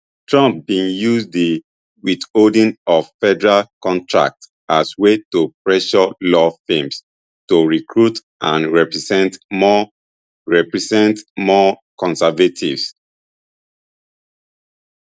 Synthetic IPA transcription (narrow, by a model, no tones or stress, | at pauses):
tʰɹɔ̃mp̚bĩnjusdi | withodĩnɔvfɛdɛɹalkɔ̃ntʰɹa̰k̚t | aswetopɹɛʃɔlɔfẽms | toɹikʰɹut | ʔã̰nɹɛpɹisɛ̃ntmɔ | ɹɛpɹisɛ̃ntmɔkɔ̃nsɛvatʰḭvs